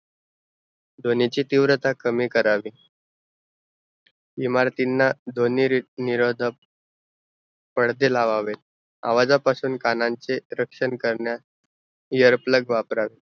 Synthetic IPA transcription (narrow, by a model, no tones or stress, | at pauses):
d̪ʱonit͡ɕiːt̪iʋɾət̪akəmiːkəɾaʋiː | imaɾt̪inːad̪ʱoniːɾiniɾod̪ʱə | pəɽd̪ʱelaʋaʋet̪ | a̰ʋad͡zapasuːnkanãɲt͡seɾəkʂənkəɾɳja | jəɾpləɡʋapɾaʋi